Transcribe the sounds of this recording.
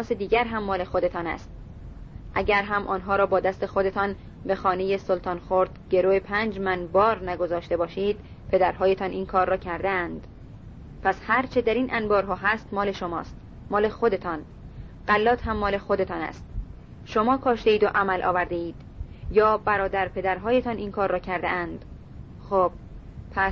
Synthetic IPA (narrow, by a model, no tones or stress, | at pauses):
ɒːsed̪iːɟæɾɦæmːɒːle̞xo̞d̪e̞t̪ʰɒːnæ̰st̪̚ | ʔæɟæɾɦæmʔɒːnɦɒːɾɒːbɒːd̪æst̪e̞xo̞d̪e̞t̪ʰɒn | be̞xɒːnejesolt̪ʰɒːnxoɾd̪̥ɟe̞ɾoːepʰæːnd͡ʒmænbɒːɾnæɡo̞zɒːʃt̪e̞bɒːʃiːd̪ | pʰe̞d̪æɾɦɒːje̞t̪ʰɒnʔiːnkʰɒːɾːɒːcʰæɾd̪eænd̪̥ | pʰæshæɾt͡ʃʰed̪æɾiːnʔænbɒːɾɦɒːɦæst̪mɒːle̞ʃomɒ̰ːst̪ | mɒːle̞xod̪e̞t̪ʰɒːn | ɢælːɒːt̪ʰhæmːɒːle̞xo̞d̪e̞t̪ʰɒːnæ̰st̪̚ | ʃo̞mɒːkʰɒːʃt̪e̞iːd̪oʔæmælʔɒ̰ːvæɾd̪eiːd̪̥ | jɒːbæɾɒːd̪æɾpʰe̞d̪æɾɦɒːje̞t̪ʰɒnʔinkʰɒːɾːɒːcʰæɾd̪ḛʔænd̪̥ | xoːb̥̚pʰæs